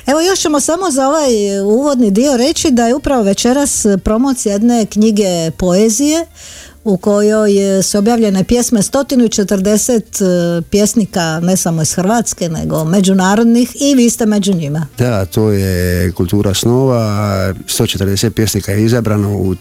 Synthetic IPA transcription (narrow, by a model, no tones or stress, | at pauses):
e̞ʋo̞jo̞ʃt͡ɕe̞mo̞samo̞zao̞ʋajuːʋo̞d̪nid̪io̞ɾe̞t͡ɕid̪ajeupɾaʋo̞ʋe̞t͡ʃe̞ɾaspɾo̞mot̪sjje̞d̪ne̞kɲiɡe̞po̞ezije | uko̞jo̞jsuobjaːʋʎe̞ne̞pje̞sme̞st̪o̞t̪inuit͡ʃe̞t̪ər̩d̪e̞set̪pje̞snikane̞samo̞isxɾ̩ʋat̪ske̞ne̞̰ɡo̞me̞d͡ʒunaːɾo̞d̪nixiʋiːst̪e̞me̞d͡ʑuɲimad̪at̪ʰoːjekult̪uːɾʔasnoːʋast̪o̞t͡ʃet̪əɾd̪eset̪̚pjesnikajeizabɾanou